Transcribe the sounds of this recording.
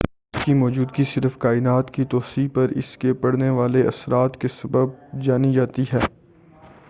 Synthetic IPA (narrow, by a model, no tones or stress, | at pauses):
skimɔːd͡ʒuːd̪ɡisɪɾfkaːɪnaːt̪kit̪ɔːsiːpɐɾɪ̰skepɐɽneʋaːleʔɐ̰sɾaːt̪kesɐbəb̚d͡ʒaːnid͡ʒaːt̪iɦɛː